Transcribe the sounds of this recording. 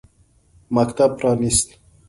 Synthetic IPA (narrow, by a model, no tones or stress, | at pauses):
makt̪ab̚pɾɑːnist̪